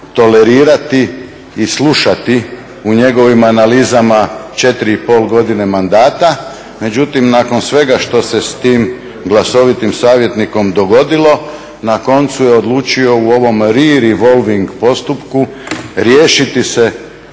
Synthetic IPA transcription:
t̪o̞le̞ɾiːɾat̪iː | slˠuʃat̪i | uɲeɡo̞ʋimanaliːzamat͡ʃe̞t̪ɾiipo̞ːlˠɡo̞d̪ine̞mand̪aːt̪a | me̞d͡ʑut̪imnaːko̞nsʋe̞ɡaʃt̪o̞se̞st̪iːm | ɡlˠaso̞ʋit̪imsaːʋje̞t̪niko̞md̪o̞ɡo̞d̪ilˠo̞ | nako̞nt̪sujeo̞d̪lˠuːt͡ʃio̞uo̞ʋo̞mɾiɾiʋo̞lʋiŋɡpo̞st̪upku | ɾjeːʃit̪ise̞

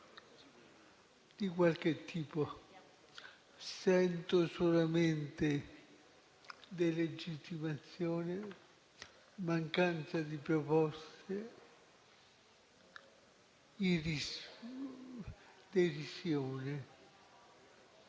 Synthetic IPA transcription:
d̪̥ikwalket̪ʰːiːpo | sɛnt̪osolament̪e | d̪eled͡ʒit̪ːimat̪sjoːne | maŋkant̪sad̪ipɾopɔse | iri | d̪erisjoːne

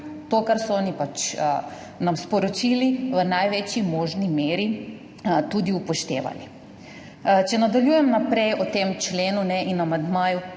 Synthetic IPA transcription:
t̪okaɾsɔɔːnipat͡ʃ | namspɔɾɔt͡ʃiliʋənajʋet͡ʃimɔːʒnimeːɾi | t̪uːd̪iupɔʃt̪ḛːʋa̰li | t͡ʃɛnad̪aljuːjɛmnapɾɛjɔt̪emt͡ʃleːnunɛʔinamand̪maːju

